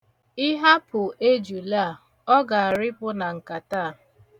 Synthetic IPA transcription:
ɪ˦ɦa˦pʊ˨ʔe˦d͡ʒu˨la˦˨ | ɔ˦ɡa˨a˨ɾɪ˦pʊ˦na˨ŋ̩˨ka˨taː˦˨

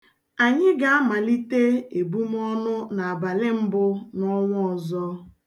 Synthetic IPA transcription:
a˨ɲɪ˦ɡa˨a˦ma˨li˦te˦e˨bu˦m˦ɔ˦nʊ˦na˨a˨ba˨lɪ˦m̩˦bʊ˦nɔ˦ŋʷʊ˦ɔ˨zɔ˦

